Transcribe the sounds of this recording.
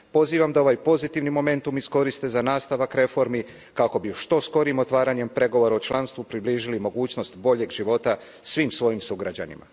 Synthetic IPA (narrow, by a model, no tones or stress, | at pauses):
po̞ziːʋamd̪ao̞ʋajpo̞zit̪iʋnimo̞me̞nt̪umisko̞ɾist̪e̞zanaːst̪aʋakɾe̞fo̞ɾmi | kako̞biʃt̪o̞sko̞ɾimo̞t̪ʋaːɾaɲe̞mpɾe̞ɡo̞ʋo̞ɾaot͡ʃlˠanst̪ʋupɾibliːʒilimo̞ɡuːt͡ɕno̞st̪bo̞ʎe̞ɡʒiʋo̞t̪a | sʋiːmsʋo̞jimsuɡɾad͡ʑa̰nḭma̰